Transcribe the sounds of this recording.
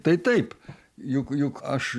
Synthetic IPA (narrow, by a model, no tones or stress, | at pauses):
t̪ɐɪt̪ɐɪp | jʊkjʊkɐʃ